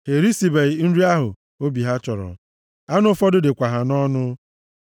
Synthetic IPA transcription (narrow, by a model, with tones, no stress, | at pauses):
he˨ɾi˦si˨be˨n̩˦ɾi˦a˦ɦʊ̰˨ | o˦bi˨ɦa˦t͡ʃɔ˨ɾɔ̰˨ | a˦nʊ˦ʊ˦fɔ˦dʊ˦dɪ˨kʷa˨ɦa˨nɔ˦nʊ˦